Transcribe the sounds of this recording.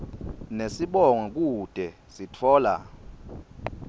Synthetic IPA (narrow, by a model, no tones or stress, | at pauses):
nesiɓɔŋɔk̬ʼud̥ʱɛ | sitʰɔːla̰